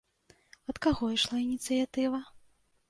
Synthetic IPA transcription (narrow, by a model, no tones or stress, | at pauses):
ɐt̪kaɣɔiʂlˠainʲit̪sɨjat̪ɨvɐ